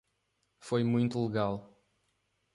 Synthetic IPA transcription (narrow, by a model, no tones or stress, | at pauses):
fojmũj̃t̪ulɨɣalˠ